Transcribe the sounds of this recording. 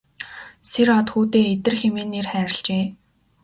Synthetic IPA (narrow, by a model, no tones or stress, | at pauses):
seɾɔt̪xuːt̪eːet̪ɘ̆rxemeːnːerχæːɾɪ̆ɬt͡ɕeː